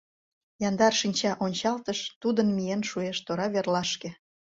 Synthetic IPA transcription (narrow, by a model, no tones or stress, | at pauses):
jɑnd̪ɑrʃinʲt͡ɕɑʔonʲt͡ɕɑlt̪əʃt̪ud̪ənmijenʃueʃt̪oɾɑβerlɑʃke